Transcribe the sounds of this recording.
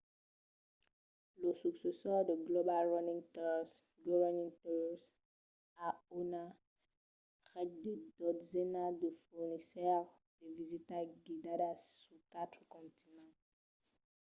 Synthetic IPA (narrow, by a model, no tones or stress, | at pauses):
ləsyksesœʁd̪əɡlobalʁɔnĩŋt̪ɔsɡɔvɛnĩŋtɔs | aona | ʁɛd̚d̪ed̪ɔd̪zenad̪əfuʁnisɛʁ | d̥evizit̪aɡid̪adasukat̪χkɔ̃nt̪inɑ̃